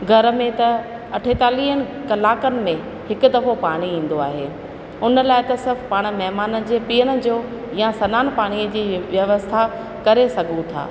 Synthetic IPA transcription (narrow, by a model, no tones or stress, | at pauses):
ɡʱɐɾ̆mẽt̪ɐ | ɐʈʰet̪aːliːɦənɪ̆ | kɐlaːkənɪ̆mẽ | hɪkʊ̆d̪ɐfopaːɽ̃iĩːn̆d̪oa̰ːɦeː | ʊnəlaːɪt̪ɐsɪɾbpaːɽ̃̆mɐɦmaːnə̆d͡ʑeːpiːəɽ̃ə̆d͡ʑoː | jãsɐnaːnpaːɽ̃iəd͡ʑiːʋjɐʋəst̪ʰa | kɐɾesɐɡʱũt̪ʰa̰ː